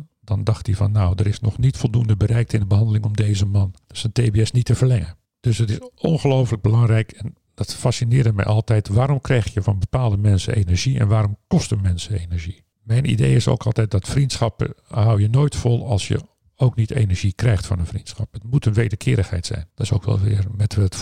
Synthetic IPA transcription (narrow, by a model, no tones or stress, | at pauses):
d̥ɑndɑxtivɑnːawdərɪsnɔxnitfɔlˠduəndəbəɾɛjk̚tɪndəbəɦɑndəlɪŋɔmdeːzəmɑnsənteːbeɛsnitːəvərlɛŋə | d̥øsətɪsɔ̰nχəlowfələɡ̚bəlɑŋrɛjkʰɛn | d̥ɑtfasinɪːrdəmɛ̰jʔɑlˠtɛjtʋaːɾɔmkrɛjxjəfɑnbəpaːlˠdəmɛnsə̰ʔḛnəɹʒiɛ̰nʋaːɾɔmkɔstənmɛnsəeːnəɹʒi | mɛjnḭdejɪso̰kʰɑ̰lˠtɛjt̚dɔtfrintsxɑpə̰hawjənoːjtfɔlˠɑ̰lˠsjə̰ | owknitḛnəɹʒikrɛjxtfɔ̰nənfrintsxɑpətmutənʋeːdəkʰɪːɾəxhɛ̰jtsɛ̰jnd̥tɪso̰wkʋɛ̰lˠʋɪ̰ərmɛtʋɛ